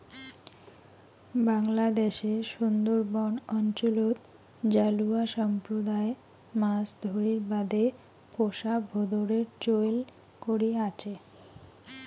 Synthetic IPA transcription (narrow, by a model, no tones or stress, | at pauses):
baŋlad̪eʃeʃund̪oɾbɔɳɔnt͡ɕolot̪ | d͡ʑaluaʃɔmpɾod̪ae | masd̪ʱoɾiiɾbad̪e | poʃabʱod̪oɾeɾt͡ɕoel | koɾiat͡ɕʰe